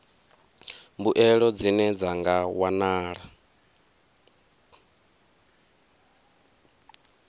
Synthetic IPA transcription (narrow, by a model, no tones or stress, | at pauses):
mbuʔɛɺɔd͡zinɛd͡zaŋɡawanaːɺa